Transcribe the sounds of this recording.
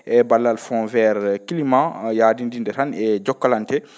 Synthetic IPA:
ʔɛbalːalfɔ̃nvɛɾkilimãjaːdindindɛɾanɛd͡ʒɔkːalantɛ

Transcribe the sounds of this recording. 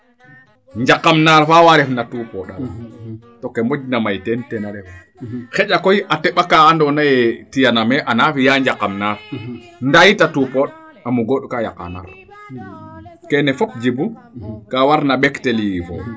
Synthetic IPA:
ɲd͡ʒakːamnaɾfawaɾɛfnatupɔɗa̰ | tɔkːɛmod͡ʒnamajtɛntɛnaɾɛf | xɛd͡ʒakɔjʔatɛɓakaandɔnajɛtijanamɛʔanafijaɲd͡ʒakːamnaɾ | ndajitatupɔɗ | amuɡɔɗɔkaja̰ka̰na̰ɾ | kɛnɛfɔp̚d͡ʒibu | kawaɾnabɛktɛlijifɔ̰

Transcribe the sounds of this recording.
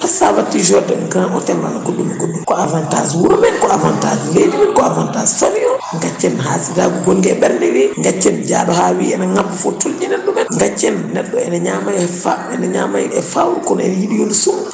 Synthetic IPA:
pasawatːid͡ʒɔdɛmkãʔɔtɛlwa̰laɡoɗːumɛɡoɗːumkɔavanta̰zwuɾumɛnkɔavantazuleːd͡ʒimɛnkɔavantassovijɔŋɡat͡ʃːɛnɦasidaɡuɡolɡɛɓɛɾniɾiŋɡat͡ʃːɛnd͡ʒa̰ːɗɔhawiɛnaŋamːufɔtuld͡ʒinɛɗːɔmɛnŋɡat͡ʃːɛnːɛɗːɔɛnaɲamajfaɛnaɲa̰ma̰jɛfawɾkɔnɛ̰nhiɗijonsum

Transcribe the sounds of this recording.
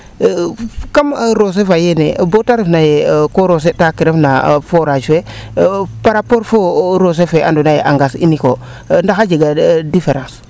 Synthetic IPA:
kamɾos̬efajenebotaɾifnajekoɾos̬etakiɾefnafoɾaʃe | paɾapoɾfoɾos̬efea̰ndonajeʔaŋɡasḭniko | ndaxad͡ʒeɡadifeɾãns

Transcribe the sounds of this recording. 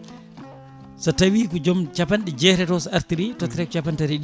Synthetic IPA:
satawiːkɔd͡ʒɔmt͡ʃapanɗɛd͡ʒɛːɾɛtɔsaɾt̪iɗitɔt̪ɾɛkɔt͡ʃapantaɾiɗi

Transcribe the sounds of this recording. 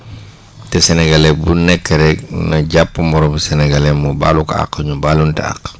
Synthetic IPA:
tɛsɛnɛɡalɛbunɛkːɛɾɛknɐɟapːumɔɾɔmsɛnɛɡalɛmuba̰ːluka̰kːɐɲubaːluntɛ̰a̰k

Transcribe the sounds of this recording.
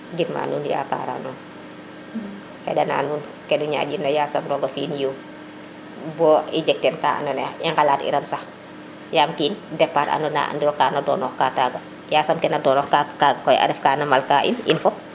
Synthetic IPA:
ɡinma̰ːnuːnja̰ka̰ːɾa̰nɔː | hɛ̰dɐna̰ːnuːn | kɛnuɲa̰ːd͡ʒinːɐjaːsɐmɾɔɡɐfiːnjo | bɔːid͡ʒɛk̚tɛnka̰ːɐ̰nɔnɛiŋɡalaːtḭɾɐnsɐx | jaːmkiːndɛpːaːɾa̰nɔna̰ndiɾɔkaːnɐdɔ̰ːnɔːxkaːtaːɡɐ | jaːsɐmkɛnɐdɔnɔːxkaaɡkɔjʔɐ̰dɛfkaːnɐmalkaːʔḭnḭnfɔp̚

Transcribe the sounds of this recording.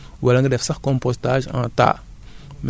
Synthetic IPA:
walaŋɡədɛfsaxkɔ̃mpostaʒã̰ːta̰m

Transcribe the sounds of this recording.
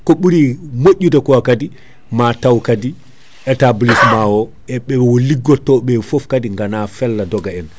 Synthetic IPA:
kɔɓuɾimoʔʲːudɛkɔakadi | matawkadi | ʔɛtablismawɔ | ʔɛɓɛɓɛwɔliɡːɔtːɔɓɛfɔfkadiŋɡanafɛlːadɔɡaɛn

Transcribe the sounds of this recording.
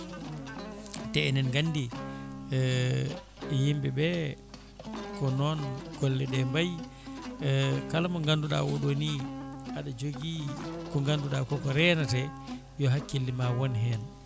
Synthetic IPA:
tɛɛnɛnɡanːdi | jimbɛbɛ | kɔnɔnɡ̥ɔlːɛɗɛmbaj | kalamaŋɡanduɗa̰wɔɗoniaɗad͡ʒoɡikɔŋɡanduɗakɔkɔɾɛnatɛ | jɔɦakːilːimawɔnɦɛn

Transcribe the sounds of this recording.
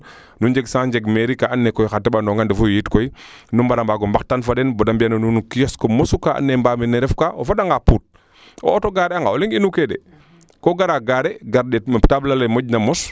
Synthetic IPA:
nuɲd͡ʒeɡsãːɲd͡ʒeɡmeɾikaanːekɔjxatːɛbanɔŋɡandefujjitkɔjnumbaɾambaɡɔmbaxtanfadɛnbɔdambianonunukijɔskɔmɔsukaʔa̰nːembaminɛɾɛfkaofadaŋɡapuːt̚ | o̰toɡaɾɛaŋɡaoliŋinukedɛ̰ | koɡaɾaɡaɾeɡaɾɗetmaptablalemoɟ̚namɔs

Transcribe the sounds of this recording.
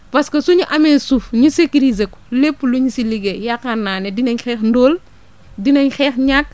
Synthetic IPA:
pɐskɐsuɲuʔɐmɛsufɲusekiɾizekɔ̥lepːluɲusiliɡejakːɐnːaːnɛdinɐɲxɛːxndɔːl | dinɐɲxɛːxɲak̚

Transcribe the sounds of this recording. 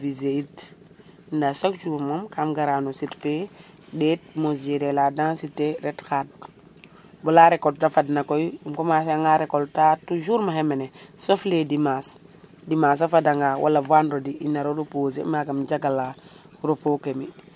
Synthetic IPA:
vizeit | ndasokd͡ʒuːɾmomkamɡaɾanositfe | det̚mozeɾeladansiteɾɛtxat̚ | bɔlaɾekoltafadnakojumkomasaŋɡaɾekoltatuʒuːɾmahemenesofledimasdimaːs̬afadaŋɡawʔa̰lavanɾodiʔinaɾoɾopoːzḛmaɡamɟaɡalaɾopokemi

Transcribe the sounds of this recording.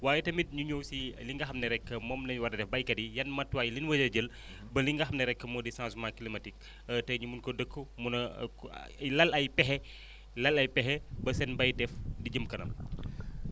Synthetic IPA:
waːjɛtɐmit̚ɲuɲɔwsiliŋɡɐxɐmnɐɾɛkːəmɔːmnɐwɐrdɐdɛfbɐjkɐdijɐnmɐtːwaːjlinwɐd͡ʒɐɟəl | bɐliŋɡɐxɐmnɐɾɛkːəmɔːdisãːsmãkilimɐtik̚ | tɐɲumunkɔdəkʰːəmunɐ | lɐlɐjpɛɦɛ | lɐlɐjpɛɦɛbɐsɛnbɐjdɛfdiɟəmkɐnɐ̰m

